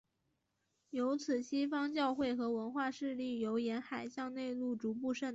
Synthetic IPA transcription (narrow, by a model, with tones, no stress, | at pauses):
jo˧˥ʊt͡sʰɹ̩˨˩ɕi˥fɑ˥ŋt͡ɕjɑ˥˧ʊxwe˥˩ɪxɤ˧˥wə˧˥nxwa˥˧ʂɻ̩˥˧li˥˩jo˧˥ʊjɛ˧˥nxa˨˩ɪɕjɑ˥˧ŋne˥˧ɪlu˥˩ʈ͡ʂu˧˥p̬u˥˧ʂə˥˩n